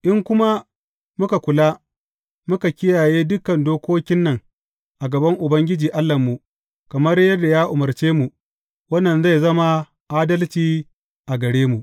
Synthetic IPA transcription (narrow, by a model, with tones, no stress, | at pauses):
ʔɪ˦ŋkʷʊ˦ma˦ | mʊ˦ka˨kʷʊ˨laː˦ | mʊ˦ka˨kʲɪ˦jaː˨jeː˦dʊ˦kɐ˨ndoː˦kʷoː˦kʲɪ˦nːɐ˨ŋ | ʔa˨ɡɐ˨bɐ˦ŋʔʊ˨bɐ˦ŋɡʲɪ˦d͡ʒiː˨ʔa˦lːɐ˨mːu˨ | kɐ˨mɐ˦rjɐ˦dːa˨jaː˦ʔʊ˨mɐ˨rt͡ʃeː˦mu˨ | wɐ˦nːɐ˨nza˦˨jzɐ˦ma˦ | ʔaː˦dɐ˦lt͡ʃiː˨ | ʔa˨ɡɐ˨ɽeː˦mu˨ʔ